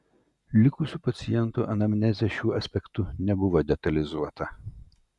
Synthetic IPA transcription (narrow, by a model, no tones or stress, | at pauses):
lʲɪkʊsʲuːpɐt̪sʲɪjɛnt̪uʔɐnɐmʲnʲɛzʲɛʃʲuːɐsʲpʲɛkt̪ʊnʲɛbʊʋoːd̪ʲɛt̪ɐlʲɪzuɔt̪ɐ